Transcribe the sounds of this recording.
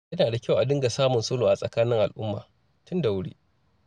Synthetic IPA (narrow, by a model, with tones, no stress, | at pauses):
jɐ˦naː˨da˨kʲa˦˨wʔa˨dɪ˦ŋɡa˨saː˦mʊ˨nsoː˦loː˨ʔa˨sʼɐ˨kaː˦nɪ˦ŋʔa̰˨lʔʊ˦mːa̰ː˨ | tʊ˦nda˨wʊ˦ɽḭː˦